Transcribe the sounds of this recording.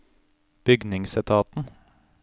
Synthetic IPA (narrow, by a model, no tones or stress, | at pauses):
b̥ʏɡnɪŋsɪt̪ʰɑːt̪n̩